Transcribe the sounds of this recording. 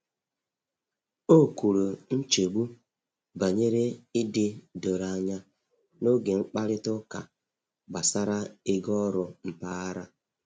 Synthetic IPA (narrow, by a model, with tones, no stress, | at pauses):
o˦˨ku˨ɾo˨n̩˦t͡ʃe˨ɡ͡bu˦ | ba˨ɲe˦ɾe˦ɪ˦dɪ˦do˨ɾa˨ɲa˦ | no˦ɡe˨ŋ͡m̩˦k͡pa˦ɾɪ˦tʊ˦ka̰˨ | ɡ͡ba˨sa˦ɾa˦ɪ˦ɡɔ˦ɾʊ˨m̩˨pa˦a˦ɾa˦